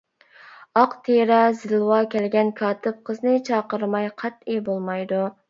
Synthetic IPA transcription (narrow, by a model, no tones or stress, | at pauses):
ɑqt̪ʰeɾɑzɪlwɑkʲɛlɡʲɛnkʰɑːt̪ʰɨp̚qʰəznɨt͡ʃʰɑːqəɾmɑjqʰɛt̪̚ebolˠmɑjd̪u